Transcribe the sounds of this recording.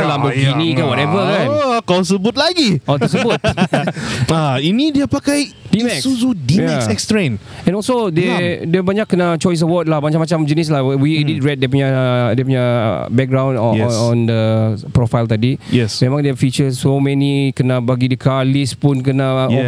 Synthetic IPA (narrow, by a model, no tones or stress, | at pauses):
labəɡd͡ʒinikawɔtɛvəkãnkawsəbʊt̪̚laɡiɔt̪əsəbʊt̪̚ | ainidiapakajdimɛksuzudijmɛasɛkstɾẽn | ɛ̃nɔlsodɛdɛbaɲakːənat͡ʃɔjs̬əwɔt̚lahbaɲamat͡ʃãmd͡ʒənis̬lahɛwidiɹɛt̚depuɲadepuɲa̰bɛk̚ɡɾãw̃ndɔɛɔ̃ndəpɾɔfajlt̪adijɛsmẽmãŋdafit͡ʃəsːomɛnikənabaɡidəkʰalispunk̬ənaɔ